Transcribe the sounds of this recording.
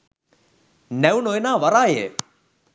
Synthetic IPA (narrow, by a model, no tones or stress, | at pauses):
nɛunojnaːʋɐɾaːjḛ